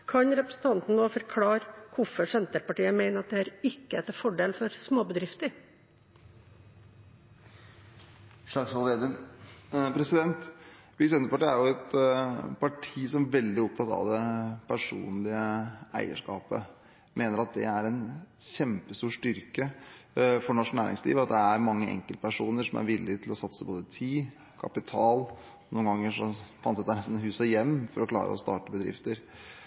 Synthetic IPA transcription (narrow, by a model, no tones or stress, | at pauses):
kʰɑnɾɛpɾəsn̩t̪ʰɑnt̪n̩noːfɔɾkʰlɑːɾkʰʊfɔʂɛnt̪əɾpɑʈiːəmæɪnəɾɑt̪̚d̪ɛhæːɾɪkːəɛt̪əfɔɖeːlfɔɾsmoːbəd̪ɾɪft̪əɾ | ʂlɑɡsɔled̪ə | pɾɛsɪd̪ɛnt̪bɪsɛnt̪əpɑʈiːæjʊɛt̪pʰɑʈʰiːsɔmʋɛld̪ɪɔp̚t̪ʰɑt̪ɑ̰ʋd̪ɛpʰæʂṵːnlɪəæ̰ɪə̰ʂkɑːpə | mʔeːnəɾɑt̪̚d̪ɛ̰æɾɛnɕɛmpəst̪uːʂt̪ʏɾkə | fɔɳɑʂknæːɾʔɪ̰ŋslḭːʋəɑt̪̚d̪ɛæɾmɑŋːəʔɛ̰ŋkəlt̪əpʰæʂuːnəʂɔmæ̰ɾʋɪlːɪt̪ʰɪlɔsɑt̪səboːd̪ət̪ʰiː | kʰɑpɪt̪ʰɑːl | nuːənɡɑŋːəʂɔfɑnt̪sɛt̪ːænɛst̪n̩hʉːsəjɛmːfɔɾɔkʰlɑ̰ːɾə̰ɔ̰st̪ɑ̰ːʈəbəd̪ɾɪ̰ft̪əɾ